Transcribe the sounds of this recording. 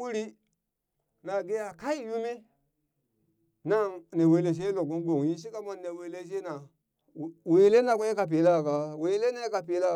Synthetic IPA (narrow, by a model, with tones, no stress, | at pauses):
u˦ɾi˦ | na˨ɡe˦ja˨ka˦i˦ju˦mi˦ | na˦ŋne˨we˨˦le˨ʃ̬e˦lo˨ɡu˦ɡo˨ŋ˨ji˦ʃ̬i˦ka˦ma˦nː˦e˨we˨˦le˦ʃ̬e˦na˨ | we˨˦le˦na˨kʷo˦je˦ka˨p̬i˨˦la˦˨ka˨we˨˦le˦na˦ka˨pi˨la˦